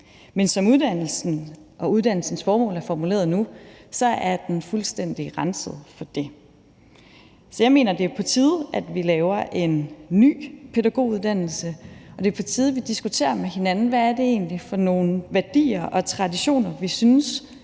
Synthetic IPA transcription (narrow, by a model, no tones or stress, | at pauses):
mensɒ̽muðˠd̥æn̰l̩sn̩ʔɒ̽uð̞ˠd̥æn̰l̩sn̩sfɒːmɔ̰̽ːlæɐfɒmule̝̰ːɐðˠnusɒ̽æɐd̥enfulsd̥en̰d̥iʁɑnsəð̞̩ˠfɒ̽d̥e̝ | sɒ̽jɑ̈ɪme̝̰ːnɐd̥e̝ɐpʰɒ̽t͡sʰiːð̞ˠæd̥ʋilɛːʊɐʔe̝nːy̰ːpʰe̝dæɡ̥o̝̰ːuðˠd̥æn̰l̩səɒ̽d̥e̝ɐpʰɒ̽t͡sʰiːð̞ˠʋid̥isɡ̥ut͡sʰe̝̰ːɐmehe̝nænn̩ʋææɐd̥e̝e̝̰ːnlifɒ̽no̝ːnʋæɐd̥ḭːɐʔɒ̽t͡sʰʁɑ̈diɕo̝̰ːnɐʋisyns